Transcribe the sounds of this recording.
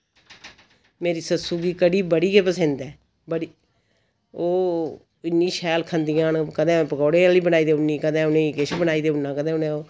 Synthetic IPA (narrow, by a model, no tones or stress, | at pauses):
meːɾiːsəsuːɡiːkəɽiːbəɽiːkeːpəsẽnd̪ɛː | bəɽiː | oː | ɪnːĩːʃʰɛːlkʰənd̪iːãːnkəd̪ẽːpəɡɔːɽeːaːliːbənaːiːd̪eːʊnːiːkəd̪ẽːʊnẽːkeʃbənaːiːd̪eːʊnːãːkəd̪ẽːʊnẽːoː